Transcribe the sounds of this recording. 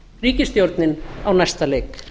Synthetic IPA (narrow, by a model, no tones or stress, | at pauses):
riːcɪst̪jowɾt̪nɪnawnajst̪aleːk